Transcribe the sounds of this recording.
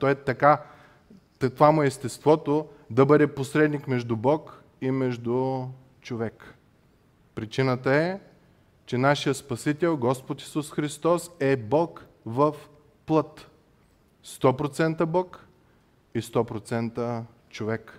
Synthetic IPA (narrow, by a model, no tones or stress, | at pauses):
t̪ɔɛt̪ɐka | t̪ovamʊɛist̪ɛst̪vɔt̪o | d̪ɐbɤd̪ɛposɾɛd̪nikmɛʒd̪ʊbɔk | imɛʒd̪u | t͡ʃovɛk | pɾit͡ʃinət̪əɛ | t͡ʃɛnaʃijəspɐsit̪ɛlˠɡɔspot̪i̥susxɾist̪ɔsɛbɔk | vəf | plˠɤt̪ | st̪ɔpɾot̪sɛnt̪əbɔk | ist̪ɔpɾot̪sɛnt̪ə | t͡ʃovɛk